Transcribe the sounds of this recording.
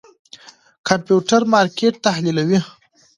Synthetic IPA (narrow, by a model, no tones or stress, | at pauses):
kampjuʈaɾmɑɾkeʈ̚t̪ahlilawi